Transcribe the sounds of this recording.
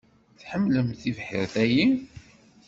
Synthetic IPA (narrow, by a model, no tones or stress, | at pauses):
θħəmːləmθivħḭɾθæji